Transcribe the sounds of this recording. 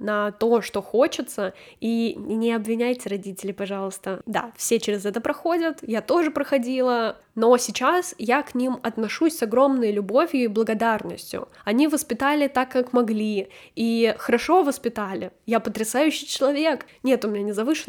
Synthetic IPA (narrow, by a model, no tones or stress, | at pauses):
nɐt̪o̞ʂt̪o̞xo̞t͡ɕɪt̪səinʲɪɐbvʲɪnʲæjtʲɪrɐdʲitʲɪlʲɪpɐʐɑlˠəst̪əd̪a̰fsʲe̞t͡ɕɪɾʲɪzɛt̪əpɾɐxo̞dʲət̪jat̪o̞ʐɨpɾəxɐdʲilˠə | no̞sʲɪt͡ɕasjaknʲimɐt̪nɐʂusʲsɐɡɾo̞mnəjlʲʊbo̞vʲjʊiblˠəɡɐd̪arnəsʲtʲjʊ̰ɐnʲivəspʲɪt̪alʲɪt̪akːakmɐɡlʲiixəɾɐʂo̞vəspʲɪt̪alʲɪjapət̪ɾʲɪsajʉɕːɪjt͡ɕɪlˠɐvʲe̞knʲet̪ʊmʲɪnʲanʲɪzɐvɨʂɨ